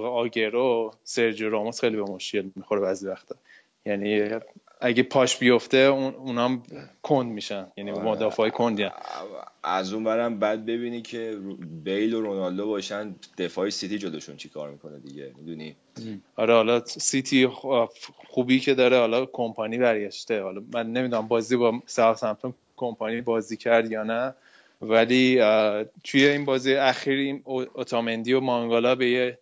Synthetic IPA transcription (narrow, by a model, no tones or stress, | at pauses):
ɣeɒːɟeɾoseɾd͡ʒoɾɒːmosxejlibemo̞ʃcʰe̞lmixo̞ɾeβæzivæxt̪ʰɒ | jæni | æɟepʰɒːʃbijo̞ft̪euunæmkʰond̪miːʃænjænimod̪ɒːfːjekʰo̞nd̪iæ | æ̰zunbæɾæmbæd̪̚be̞biːnicʰebejloɾonɒld̪obɒːʃænd̪̥e̞fɒːesit̪id͡ʒoloʃunt͡ʃʰi̥kʰɒ̰ːɾmikʰo̞ned̪iɟemid̪uni | ɒɾɛhɒlɒsit̪ʰi | χuːbiːcʰe̞d̪ɒːɾehɒlɒkʰo̞mpʰɒniːbæɾɟæʃt̪e̞hɒlɒmænːemid̪unæmbɒːzibɒsæɒsæmt̪om | kʰo̞mpʰɒnibɒːziːcʰæɾd̪jɒːnæ | væliː | t̪ʰujeiːnbɒːzijæxiːɾinoot̪ʰɒːmend̪ijomɒŋɡolɒbe̞je